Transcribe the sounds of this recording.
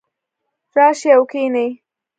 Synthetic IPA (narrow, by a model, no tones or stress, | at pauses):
ɾɑːʃeawkenej